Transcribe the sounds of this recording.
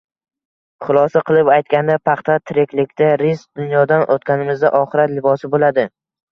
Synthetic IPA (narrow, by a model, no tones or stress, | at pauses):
χʊlˠɒsaqʰɨlˠɪpajt̪̚kʲand̪apʰɑχt̪ʰat̪ʰɪɾekʲlɪkʲt̪aɾɪsd̪̥ʊnjɒd̪anʔot̪̚kʲanɪmɪzd̪aʔɒχɨɾat̪lɪbɒsɪbolad̪ɪ